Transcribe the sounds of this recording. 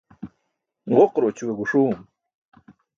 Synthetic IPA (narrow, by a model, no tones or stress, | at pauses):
ɢoqɾot͡ɕuweɡuʂuːm